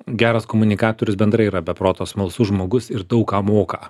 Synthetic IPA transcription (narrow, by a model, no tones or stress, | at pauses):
ɡʲæːɾɐskoːmʊnʲɪkɑːt̪oːɾʲʊsbʲɛnd̪ɾɐɪiɾɐbʲɛpɾoːt̪oːsmɐlˠsʊʒmoːɡʊsɪɾd̪ɐʊkɑːmoːkɐ